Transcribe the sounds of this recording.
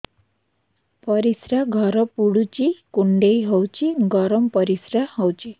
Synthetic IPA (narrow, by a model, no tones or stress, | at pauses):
pəɾisɾaɡʱəɾəpuɽut͡ɕikuɳɖeiɦɔwt͡ɕiɡɔɾəmpəɾisɾahɔwt͡ɕi